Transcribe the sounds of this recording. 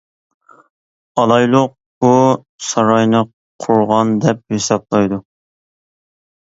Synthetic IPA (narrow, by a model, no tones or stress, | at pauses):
ɑlˠɑjlˠʊq̚bu | sɑɾɑjnɨ | qʰʊɾʁɑnd̪ɛp̚hesɑp̚lˠɑjd̪u